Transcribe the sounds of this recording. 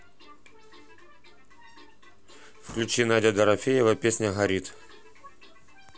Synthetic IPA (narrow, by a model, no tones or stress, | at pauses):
fklʲʉt͡ɕinadʲəd̪ɐɾɐfʲejɪvɐpʲesʲnʲəɣɐɾʲit̪